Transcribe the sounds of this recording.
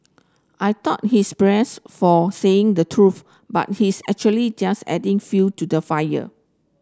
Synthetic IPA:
ʔajtɔt̚hisbɹɛsfɔseɪ̃ŋdətʰɹuθ | ba̰t̚hisɛ̰k̚t͡ʃuəlid͡ʒasɛ̰dɪ̃ŋfutudəfajə̰

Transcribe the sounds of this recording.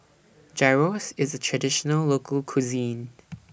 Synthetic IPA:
d͡ʒ̥ɛɹosɪzətʰɹ̥ədɪʃənəlˠloʊkʰəlˠkʰuzĩn

